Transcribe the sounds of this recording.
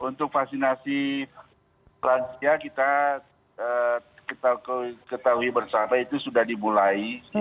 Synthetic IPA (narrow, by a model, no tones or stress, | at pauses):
unt̪ʊk̚faksinasi | lansiakit̪a | əkət̪akət̪auibərsapait̪usudahdimulai